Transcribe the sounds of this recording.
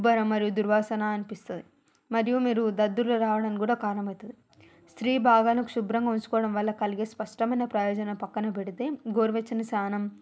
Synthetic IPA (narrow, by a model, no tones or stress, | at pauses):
bɐɾɐmːɐɾijud̪uɾʋaːsɐnaːɐnipist̪und̪i | mɐɾijumiːɾud̪ɐd̪ːuloːɾaːʋɐɽɐnikuːɽaːkaːɾɐnɐmɐjt̪und̪i | st̪ɾiːbʱaːɡaːlɐkuʃubɾɐŋɡaːunt͡ʃsu̥kɔːʋɐɽɐmʋɐlːɐkɐliɡespɐʂʈɐmɐjnɐpɾɐjɔːd͡ʒɐnɐpɐkːɐnɐp̬eɽit̪e̞ːɡoːɾiʋet͡ʃːinɐsaːnɐm